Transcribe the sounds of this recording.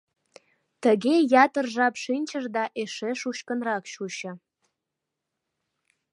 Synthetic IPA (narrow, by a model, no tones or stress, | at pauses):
t̪əɣejɑt̪ərʒɑpʃinʲt͡ɕəʒd̪ɑʔeʃeʃuʃkənrɑkʃuɕə̆